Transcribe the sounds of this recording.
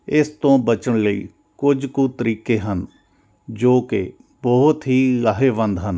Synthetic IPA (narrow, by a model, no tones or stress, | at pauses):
ɪst̪õːbət͡ʃəɳləḭː | kʊd͡ʒkuːt̪əɾiːkeːɦən | d͡ʒoːkɪ | bɔɦʊt̪ɦiːɡaːɦeːʋə̃nd̪ɦən